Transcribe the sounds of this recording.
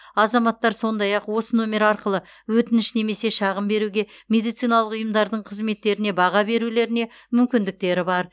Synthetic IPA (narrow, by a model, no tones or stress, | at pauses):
ɑzɑmɑt̪ːɑɾso̞nd̪ɑjɑqwo̞sənumʲe̞ɾɑɾqəlˠə | wɵt̪ɪnɪʃne̞me̞se̞ʃɑʁəmbe̞ɾuɡʲe̞mʲe̞d̪ijt̪sijnɑlˠəqʊjəmd̪ɑɾd̪əɴqʰəzme̞t̪ːe̞ɾɪne̞bɑʁɑbe̞ɾule̞ɾɪne̞ | mʏmkʲɪnd̪ɪk̚t̪e̞ɾɪbɑɾ